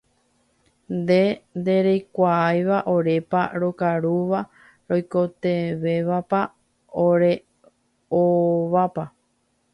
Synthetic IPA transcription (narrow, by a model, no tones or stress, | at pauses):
nd̪e̞nd̪e̞ɾejkʷaajʋaʔoɾe̞paɾokaɾuʋa | ɾo̞jko̞t̪e̞ʋe̞ʋapa | oɾe̞ | oʋapa